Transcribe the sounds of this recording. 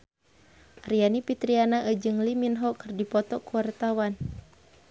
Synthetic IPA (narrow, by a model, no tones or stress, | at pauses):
rianipit̪ɾianaʔəd͡ʒɨŋliminɦɔkɨrdipɔt̪ɔkuwart̪awan